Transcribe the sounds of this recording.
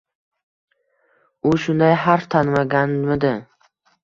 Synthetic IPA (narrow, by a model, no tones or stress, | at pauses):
ʊʃʊnd̪ajɦaɾft̪ʰanmaɡʲanmɪd̪ɪ